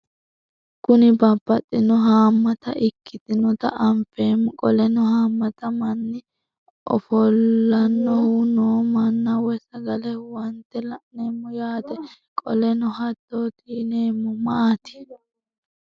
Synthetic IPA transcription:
kʊnɪbɐbːɐt̪ʼːɪnɔɦaːmːɐt̪ɐʔɪkʰːɪt̪ɪnɔt̪ɐʔɐmfeːmːʊkʼɔlɛnɔɦaːmːɐt̪ɐmɐnːɪ | ʔɔ̰fɔlːɐnːɔhʊnoːmɐnːɐwɔsɐɡɐlɛwɐnt̪ːɛlɐʔneːmːʊjaːd̪ɛ | kʼɔ̰lɛnɔhɐd̪oːt̪ʼiːne̞ːmːʊmɐʔat̪ɪ̥

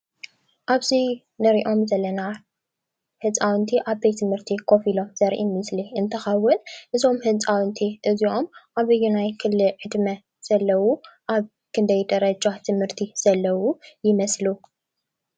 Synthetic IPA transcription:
ʔaβzi | nɐɾiʔo̞mzɐlːɐna | hɨt͡sʼawnt̪ʰiʔaβbejt̪ʰɨmhɨɾt̪ʰikʰo̞filo̞mz̥ɐɾʔḭmɨsliʔɨnt̪ʰɐxɐwːʊnʔɨzo̞mhɨt͡sʼawɨnt̪ʰiʔɨziʔo̞mʔaβɨjːunajkʰɨllɨʕɨd̪mɐ | z̥ɐlːɐwuʔaβ | kʰɨnd̪ɐjd̪ɐɾɐd͡ʒat̪ʰɨmhɨɾt̪ʰiz̥ɐlːɐwujɪmɐslu

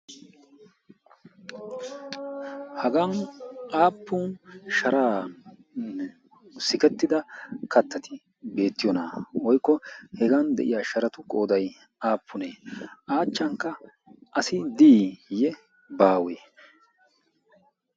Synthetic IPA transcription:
hɐɡanaːpːʊnʃɐɾaːn | sɪkɛt̪ːɪd̪ɐkɐt̪ːɐt̪ɪ | be̞ːt̪ːɪjɔna̰wɔjkːɔhɛɡand̪ɛ̰ʔɪ̰jaːʃɐɾɐt̪ʊkʼo̞ːd̪ɐj | aːpːʊneːʔaːt͡ʃːɐŋkːɐ | ʔɐsɪd̪iːjɛ | baːweː

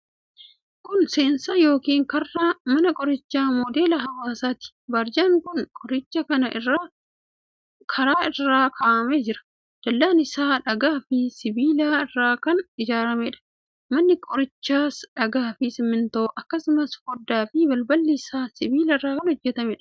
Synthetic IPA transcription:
kʊnse̞ːnsajo̞ːkiːŋkɐrːamɐnɐkʼɔɾɪt͡ʃːaːmɔd̪e̞ːlɐɦɐwaːsaːt̪ɪ̥bɐɾd͡ʒaːŋkʊnkʼɔɾɪt͡ʃːɐkɐnɐa | kʰɐɾaːɪrːaːkʰaːʔɐmeːd͡ʒɪɾɐ̥ | d̪̥ɐlːaːnɪsaːᶑɐɡaːfɪsɪbiːlaːɪrːaːkɐnɪd͡ʒaːɾɐmeːᶑɐ̥ | mɐnːɪkʼɔɾɪt͡ʃːaːsᶑɐɡaːfɪsɪmːɪnt̪oːʔɐkːɐsʊmɐshɔd̪ːaːfɪbɐlbɐlːɪsaːsɪbiːlɐɪrːaːkɐnhɔd͡ʒːɛt̪ɐmɛᶑɐ̥

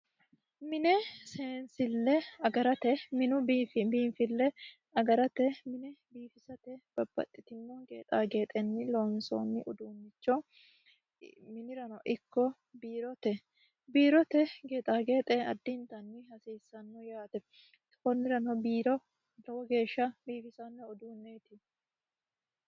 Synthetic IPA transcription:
mɪnɛseːnsɪlːɛɐɡɐɾɐt̪ɛmɪnʊbiːnfɪlːɛ | ɐɡɐɾɐt̪ɛmɪnɛbiːfɪsɐt̪ɛb̥ɐbːɐ̰t̪ʼːɪt̪ɪmːoɡḛːt̪ʼaːɡe̞ːt̪ʼɛnːɪloːnso̰ːnːɪʔʊd̪uːmːɪt͡ʃːɔ | mɪnɪɾɐnɔʔɪkːɔ | biːɾɔt̪ɛ | biːɾɔt̪ɛɡeːt̪ʼaːɡeːt̪ʼɛɐ̰d̪ːɪnt̪ɐnːɪhɐsiːsːɐnːɔjaːt̪ɛ | kɔnːɪɾɐnɔbiːɾɔ | lɔwɔɡe̞ːʃːɐbiːfɪsɐnːɛɔd̪uːnːɛt̪ɪ

